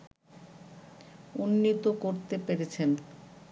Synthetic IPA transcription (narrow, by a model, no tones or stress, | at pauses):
unːit̪okoɾt̪epeɾet͡ɕʰen